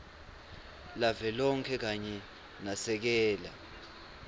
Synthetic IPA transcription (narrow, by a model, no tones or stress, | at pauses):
lavɛlɔŋkʰɛk̬aɲɛ | nasɛk̬ɛːla̰